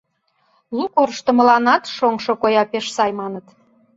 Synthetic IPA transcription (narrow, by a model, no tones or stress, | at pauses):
lukorʃt̪ə̆mə̆lɑnɑt̪ʃoŋʃokojɑpeʃsɑjmɑnət̪